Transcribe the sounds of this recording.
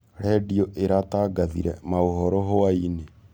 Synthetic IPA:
ɾɛdiɔʔeɾataːɡaðḭɾɛ̰maoɦɔɾɔɦoaine

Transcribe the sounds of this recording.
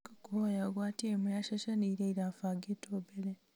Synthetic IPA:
kokuajaɡwaːtiemujaʃaʃaniɾeiɾafaɡetʰoːbele

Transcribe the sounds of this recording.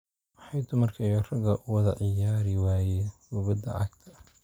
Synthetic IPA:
wɑħɑjd̪ʊmɐrkʰɐjɔrɐɡɐʔʊwɐðɐʕɪjaːɾɪwaːjɛjwʊβɐd̪ɐ̰ʕɑɡt̪ʰɐ

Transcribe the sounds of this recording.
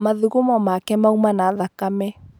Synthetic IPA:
maðuɣomɔmakɛmaumanaðakamɛ

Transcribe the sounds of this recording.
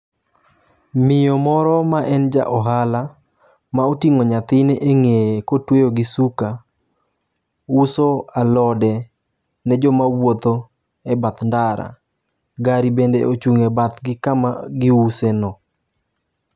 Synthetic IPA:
mɪjomɔɾɔmaʔɛnd͡ʒa̰ʔɔɦala | maotiŋoɲat̪ɪneʔeŋejekotwejoɡɪsuka | usoalɔdɛ | nɛd͡ʒɔmawot̪o | ɛbat̪ndaɾa̰ | ɡaɾibendeot͡ʃuŋebat̪ɡɪkamaɡɪusenɔ

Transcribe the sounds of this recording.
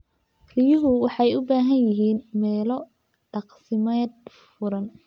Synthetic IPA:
rɪjʊɦʊwɑħɑjʊbaːɦɐnjɪɦiːnmɛːlɔ | ɖ̥ɑqsɪmɛd̪ | fʊɾɐn

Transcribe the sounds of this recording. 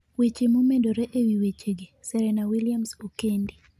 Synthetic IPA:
wet͡ʃemomedoɾɛʔewiwet͡ʃeɡisɛɾɛnawiliamsokendi

